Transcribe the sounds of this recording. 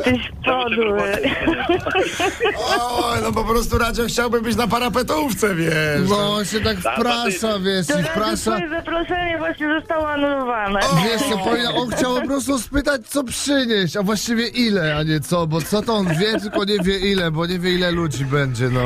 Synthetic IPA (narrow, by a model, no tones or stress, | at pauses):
t̪ɛɕ | pɔd̪ | ɔjnɔpɔpɾɔst̪uɾad͡ʑɛxt͡ɕawbɘmbɘt͡ɕnapaɾapɛt̪uft̪sɛvʲjɛnɔɕɛt̪akfpɾaʂavʲjɛʂt̪ifpɾaʂaɛzapɾɔʂɛɲɛvwaɕɲɛzɔst̪awɔanulɔvanɛvʲjɛʂt̪sɔpɔnaʔɔnxt͡ɕawpɔpɾɔst̪uspɘt̪at͡ɕt̪sɔpʂɘɲeɕt͡ɕavwaɕt͡ɕivʲjɛʔilɛaɲɛt̪sɔbɔt̪sɔt̪ɔɔnvʲjɛt̪ɘlkɔɲɛvʲjɛʔilɛbɔɲɛvʲjɛilɛlud͡ʑibɛɲd͡ʑɛnɔ